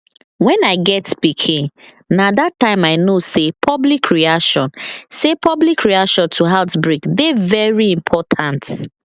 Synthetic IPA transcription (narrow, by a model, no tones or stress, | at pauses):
wɛ̃naɪɡɛtspikʰĩŋ | nadatːãɪ̃maɪnosepʰɔblikʰɹiaʃɔ̃nsepʰɔblikɹiaʃɔ̃ntʰuɦaʊtbɹikdevɛɹiĩmpʰɔtʰãnt